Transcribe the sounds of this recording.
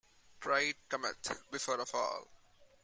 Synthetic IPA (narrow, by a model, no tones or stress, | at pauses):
pʰɹaɪɖ̚kʌmə̰̃tbɪfɔːɾəfɔ̰ːl